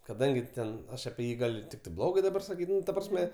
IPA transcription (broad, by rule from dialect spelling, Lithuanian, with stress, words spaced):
kɐˈdɐŋʲɡʲɪ ˈtʲɛn ˈɐʃ ɐpʲiɛ ˈjiː ɡɐlʲ ˈtʲɪktɐɪ ˈblˠoːɡɐɪ dɐˈbɐr sɐˈkʲiːtʲ ˈnʊ tɐ ˈprɑːsʲmʲɛ